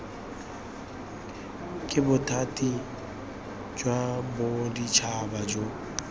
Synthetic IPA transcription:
kʼɪbʊtʰatʼi | d͡ʒwabʊdit͡ʃʰabad͡ʒo

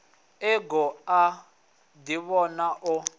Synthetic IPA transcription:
ɛɡɔa | diβɔnaʔʊ

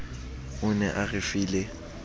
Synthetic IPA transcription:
ʊnɛʔaɣɪfiːle

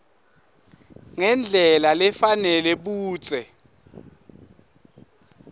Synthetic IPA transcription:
ŋɛnd͡ɮʱɛlalɛfanɛlɛɓuːt͡sʼɛ

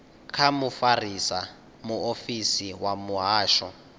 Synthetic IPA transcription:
kʰamufarisa | muofisiwamuɦaːʃɔ̰

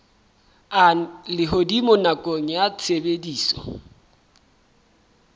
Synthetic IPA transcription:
alɪɦodimʊnakʼoŋ̩jat͡sʰebediːsɔ̰

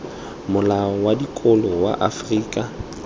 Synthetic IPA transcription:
mʊlaɔwadikʼʊlɔwa̰ʔafriːkʼa

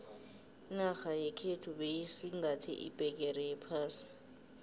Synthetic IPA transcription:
naxajɛkʰetʰuɓejisiŋatʰḭʔḭb̥ʱɛk̬ɛrɛjɛpʰaːsi̥

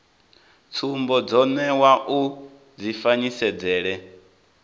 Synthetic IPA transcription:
t͡sʰumbɔd͡zɔnɛwaʔu | d͡zifaɲisɛd͡zɛːɺɛ

